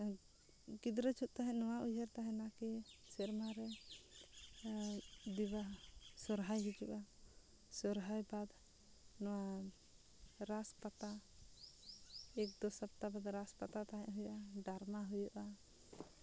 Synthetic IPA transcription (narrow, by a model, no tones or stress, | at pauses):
ɡid̪ɾət͡ʃʰut̪̚t̪aɦɛ̃ʔnɔwaʔud͡ʒəɾt̪aɦɛ̃nakisɛɾmaɾɛ | d̪ibasɔɾɦajɦid͡ʒuʔa | sɔɾɦajbad̪ | nɔwa | ɾaspat̪a | ɛk̚d̪ɔsap̚t̪abad̪ɾaspat̪at̪aɦɛ̃ʔɦujɔʔaɖaɾmaɦujɔʔa